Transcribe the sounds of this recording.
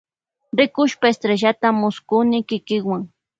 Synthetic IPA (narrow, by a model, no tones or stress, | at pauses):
ɾɪkʊʃpaest̪ɾeʒat̪amʊskʊnɪkɪkɪkwaŋ